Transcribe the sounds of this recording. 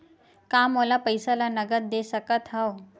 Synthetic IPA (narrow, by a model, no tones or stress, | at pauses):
kamolapəjsalanəɡət̪̚d̪esəkət̪ʰɦəw